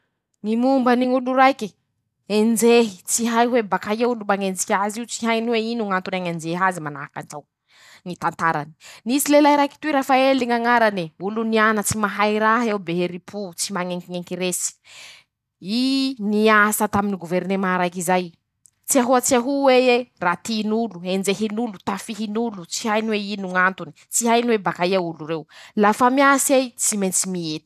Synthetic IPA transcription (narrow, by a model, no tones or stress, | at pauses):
ŋimumbəniŋuluɾajki | end͡zeɦi̥t͡siɦajɦwebakajewulumaŋend͡zikʲaziut͡siɦajniweinuŋant̪unaŋand͡ʒeɦazimana̰aka̰nʈ͡ʂaw | ŋit̪ant̪aɾa̰ni̥nisilelajɾajki̥t̪uiɾafaeliŋaŋaɾaniulunianət͡simaɦajɾaɦewbeɦeɾipʰut͡simaŋeŋkiŋeŋkiɾesi̥ | iniasət̪aminiɡuveɾnemaɾajkizaj | t͡siaɦuat͡siaɦuweerat̪inuluend͡zeɦinulut̪afiɦinulut͡siɦajniweinuŋant̪uni̥t͡siɦajniwebakaiauluɾewlafamiasiajt͡siment͡simiet̪i̥